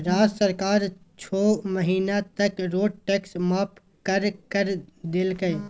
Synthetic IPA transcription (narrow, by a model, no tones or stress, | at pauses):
ɾaːd͡ʒsəɾkaːɾt͡ʃʰoːməɦiːnat̪ɐkɾoːɖ̚ʈeːksmaːp | kəɾkəɾd̪ɪlkəe